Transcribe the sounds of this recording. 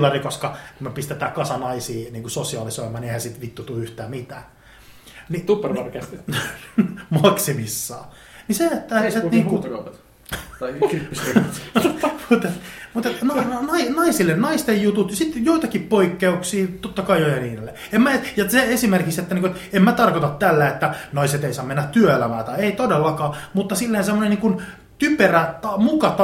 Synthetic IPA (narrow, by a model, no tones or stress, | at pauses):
lːɑrikoskɑkumepist̪et̪æːkɑsɑnɑisiːniːŋkusosiɑlisoimˑɑːniehæsit̪ʋit̪ːut̪uyht̪æːmit̪æː | niupːerʋɑrke | mɑksimisːɑː | niseet̪ːæseniːŋkukɑp̪ | kriːis | muːt̪et̪mut̪et̪nonnɑinɑisilːennɑist̪ejjut̪ut̪jɑsit̪ːjoit̪ɑkippoikːeuksiːt̪ot̪ːɑkɑijojeniːnelːe | emːæejɑseesimerkikset̪ːæniŋkuet̪emmæt̪ɑrkot̪ɑt̪tælːæet̪ːænɑiset̪eisɑːmenːæt̪t̪yøelæmæːt̪ɑieit̪odelːɑkɑːmut̪ːɑsilːensemːoneniːŋkun | t̪yperæt̪ɑmukɑt̪ɑ